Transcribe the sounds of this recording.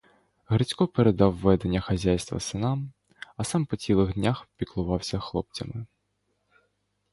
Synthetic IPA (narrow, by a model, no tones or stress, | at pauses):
ɦɾɪt͡sʲkɔpeɾed̪ɑwːɛd̪e̞nʲːɐxɐzʲajst̪ʋɐ̰sɪnɑm | ɐsɑmpɔt͡sʲilˠɪɣd̪ʲnʲaxpʲiklˠʊʋɑwsʲɐxlˠɔp̚t͡sʲɐmɪ